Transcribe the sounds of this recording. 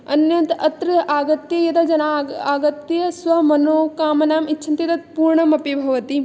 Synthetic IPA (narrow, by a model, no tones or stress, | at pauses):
ɐnjɐnt̪ɐt̪ɾɐaːɡɐt̪jɐjɐt̪ɐd͡ʒɐnaːaːɡɐt̪ːjɐsʋɐmɐnoːkaːmɐnaːmitːʃʰɐnt̪it̪ɐt̪̚puːɾɳɐmɐpibʱɐʋɐt̪i